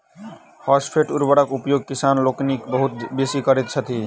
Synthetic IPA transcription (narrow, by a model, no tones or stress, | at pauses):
hɔspʰeʈuɾbəɽakupjoɡ̚kisanloknikbəɦut̪̚besikəɾɛt̪̚t͡ʃʰət̪i